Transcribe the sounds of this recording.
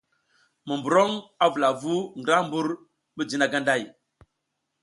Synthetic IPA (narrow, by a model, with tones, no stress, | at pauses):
mə˨mbu˨ɾo˦ŋa˦vu˨la˨vu˦ŋɡɾa˦m˦bu˦ɾ | bə˦d͡ʒi˦na˨ɡa˦nda˦˨j